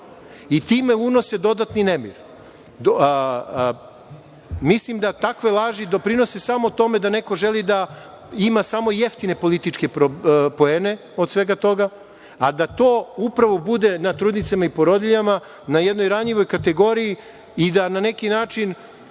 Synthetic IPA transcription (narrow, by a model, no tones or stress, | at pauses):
it̪iːme̞uno̞sed̪o̞d̪at̪ninemḭɾ | mislimd̪at̪akʋelˠaːʒid̪opɾino̞sesamo̞t̪o̞me̞d̪ane̞ko̞ʒelid̪a | imasamo̞jeft̪ine̞po̞lit̪it͡ʃke̞pɾopo̞eːne̞ | o̞d̪sʋe̞ɡat̪o̞ɡa | ad̪at̪oːupɾaʋo̞bud̪e̞nat̪ɾuːd̪nit̪semaipo̞ɾod̪iʎama | najed̪no̞jɾaɲʎiʋo̞jkat̪e̞ɡo̞ɾii | id̪anane̞kinaːt͡ʃin